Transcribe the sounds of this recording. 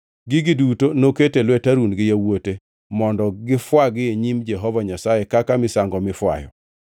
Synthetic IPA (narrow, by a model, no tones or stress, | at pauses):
ɡɪɡɪdutonoketelwɛtaɾunɡɪjawote | mɔndɔɡɪfwaɡɪeɲimd͡ʒɛɦɔvaɲasajekakamɪsaŋɡɔmɪfwa̰jɔ̰